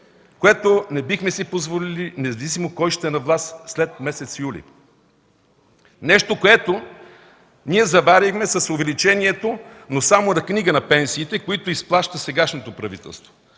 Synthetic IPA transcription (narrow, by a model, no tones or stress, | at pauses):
koɛt̪onɛbixmɛsipozvolilinɛzɐvis̬imokɔjʃt̪ɛnɐvlˠast̪slɛt̪̚mɛsɛt̪sjulʲḭ | nɛʃt̪okoɛt̪o | niɛzɐvaɾʲixmɛsɐsovɛlit͡ʃɛniɛt̪onosamonɐkniɡənɐpɛnsiːt̪ɛkoit̪oisplˠaʃt̪əsɛɡaʃnot̪opɾɐvḭt̪ɛ̰lˠst̪vo̥